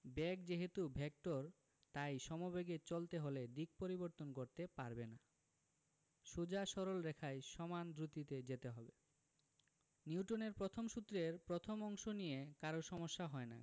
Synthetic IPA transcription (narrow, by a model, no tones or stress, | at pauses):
bɛkd͡ʑeɦet̪ubʱɛk̚ʈoɾ | t̪ajʃɔmobeɡet͡ɕolt̪eɦoled̪ik̚poɾiboɾt̪onkoɾt̪epaɾbena | ʃud͡ʑaʃɔɾolɾekʰaeʃɔmand̪ɾut̪it̪ed͡ʑet̪eɦɔbe | niwʈoneɾpɾot̪ʰomʃut̪ːɾeɾpɾot̪ʰomɔŋʃonijekaɾoʃɔmoʃːaɦɔena̰